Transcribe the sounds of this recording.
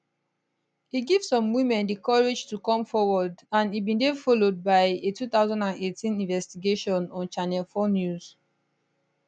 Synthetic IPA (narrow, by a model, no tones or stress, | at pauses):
hiɡivsɔ̃mwĩmɛ̃ndikɔɹed͡ʒtukɔ̃mfɔwɔdãnibĩndefɔlod̚baɪetut̪aʊzãndãnetʰĩnĩnvɛstiɡeʃɔ̃nɔ̃nt͡ʃanɛlfonjuz̥